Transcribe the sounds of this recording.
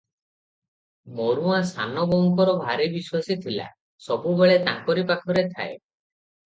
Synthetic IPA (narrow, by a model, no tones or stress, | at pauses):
moɾuasa̰nɔbɔŋkɔɾɔbʱaɾibiswasit̪ʰila̰ | sɔbubeɭet̪aŋkɔɾipakʰɔɾet̪ʰa̰e